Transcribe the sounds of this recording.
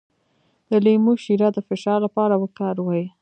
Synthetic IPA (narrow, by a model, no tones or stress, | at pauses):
d̪̥əlemoʃiɾad̪əfɪʃɑɾlapɑɾawəkɑɾwəj